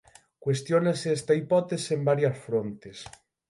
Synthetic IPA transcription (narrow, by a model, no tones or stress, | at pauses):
kwest̪jonaseɛst̪aipɔt̪esembaɾjɐsfɾont̪es